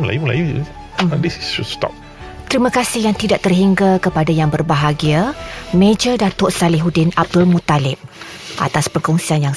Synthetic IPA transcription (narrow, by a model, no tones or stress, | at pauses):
la̰jumla̰jṵ | dissustɔ̰p̚ | t̪əɾimə̃kasɪhɦjaŋt̪idaʔt̪ərɦiŋɡakəpadajaŋbərbaɦaɡiamẽd͡ʒədat̪ʊʔsalɪɦudɪnab̚dʊlmũt̪alɪp̚ | ʔa̰t̪aspəkɔŋsianjaŋ